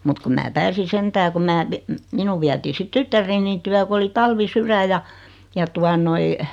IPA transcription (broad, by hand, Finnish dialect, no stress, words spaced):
mut kum mæː pæːsi sentæː kum mæː pi minu ʋiætiː sit tytːærˑenin tyæ ku oli tɑlʋisyræ jɑ jɑ tuɑ noi